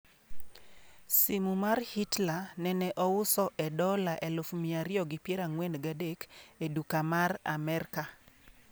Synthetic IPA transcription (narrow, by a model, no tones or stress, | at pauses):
simumarhitlanɛnɛʔɔwʊsɔʔɛdɔlaʔɛlʊfmiaɾɪjɔɡɪpjeɾaŋwɛnɡadekedukamara̰mɛrka